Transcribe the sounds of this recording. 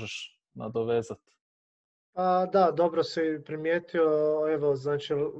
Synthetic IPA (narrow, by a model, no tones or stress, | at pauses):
ʒeʃ | na̰d̪oʋeːzat̪ | pad̪ad̪o̞bɾosɛpɾimjeːt̪ioeʋoznaːt͡ʃi